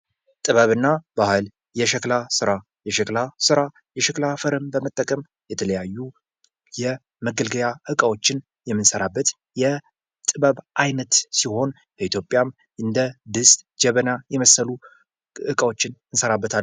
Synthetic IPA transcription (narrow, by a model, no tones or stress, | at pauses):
t̪ʼɨβəβɨnːabahɨl | jɛʃɛklasɨɾa | jɛʃɛklasɨɾa | jɛʃɛklafəɾɨmbəmət̪ʼːəkʼəm | jɛt̪ʰələjajːu | jɛ | məɡəlɡəjaʔɨkʼawo̞t͡ʃːɪn | jɛmːɨnsəɾabːət̪ | jɛ | t̪ʼɨβəβʔajnət̪siho̞n | b̥əit̪jo̞pʼjam | ɨnd̪əd̪ɨst̪ʼd͡ʒɛβənajɛməsːəlu | ɨkʼəwot͡ʃːɪnɨnsəɾabːət̪ʰal